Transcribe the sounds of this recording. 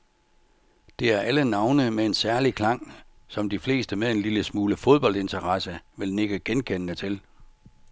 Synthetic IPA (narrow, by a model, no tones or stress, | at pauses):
d̥e̝æɐʔælənɑ̈ʊnəmee̝nsæɐlikʰlɑ̈ŋ̰ | sɒ̽md̥ifle̝̰ːsd̥əmeðˠe̝nliləsmuːləfoð̞ˠb̥ɒ̽l̰d̥e̝nt͡sʰɐʁɑsəʋe̝lne̝ɡ̥əɡ̥enkʰen̰ənət͡sʰe̝l